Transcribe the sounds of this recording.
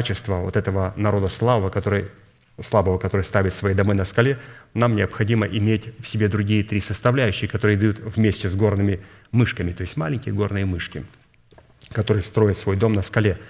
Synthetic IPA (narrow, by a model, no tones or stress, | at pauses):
t͡ɕɪst̪vəvot̪ɛt̪əvənɐɾo̞d̪əslˠabəvəkɐt̪oɾɨj | slˠabəvəkɐt̪o̞ɾɨjst̪avʲɪt̪svɐid̪ɐmojnəskɐlʲenamnʲɪəpxɐdʲiməʔɪmʲetʲfsʲɪbʲe̞d̪ɾʊɡʲijət̪ɾʲisəst̪ɐvlʲæjʏɕːɪxəkɐt̪o̞ɾɨjəd̪ɐjut̪vmʲesʲtʲɪzɡo̞rnɨmʲɪ | mɨʂkəmʲɪt̪o̞ɪsʲtʲma̰lʲɪnʲkʲɪjəɡo̞rnɨjəmɨʂkʲɪ | kɐt̪o̞ɾɨjst̪ɾo̞jɪt̪svo̞jd̪o̞mnəskɐlʲe